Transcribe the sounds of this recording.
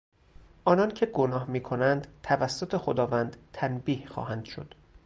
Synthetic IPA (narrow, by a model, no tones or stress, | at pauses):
ʔɒːnɒncʰe̞ɡonɒːhmiːkʰonænd̪t̪ʰævæsːot̪ʰexod̪ɒːvænd̪t̪ʰænbiːhxɒ̰ːhænd̪̥ʃo̞̰d̪̥